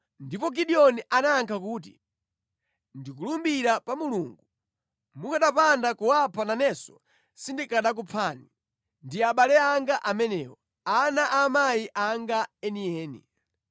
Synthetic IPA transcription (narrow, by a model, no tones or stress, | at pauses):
ndipɔk̬iɗiɔniʔanaːŋkʰak̬uːt̬ḭ | ndikulumbiɾapamuluŋɡu | mukaɗapandakuwapʰananɛsɔ̰ | sindikaɗak̬upʰani | ndiaɓalɛaŋɡaʔamɛnɛːwɔ | anaʔamajiʔaŋɡaɛniɛːnḭ